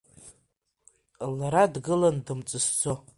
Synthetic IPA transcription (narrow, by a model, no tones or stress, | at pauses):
laɾadɡɨlandɨmt͡sʼɨsd͡zo̞